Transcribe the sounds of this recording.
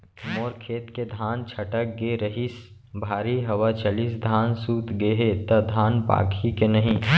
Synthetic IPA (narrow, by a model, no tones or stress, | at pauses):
moːɾkʰeːt̪ked̪ʱaːnt͡ʃʰɐʈək̚ɡeɾəɦis | bʱaːɾiɦɐwat͡ʃaliːsd̪ʱaːnsuːt̪ɡeːɦet̪ɐd̪ʱaːnpa̰ːkʰikenɐɦĩː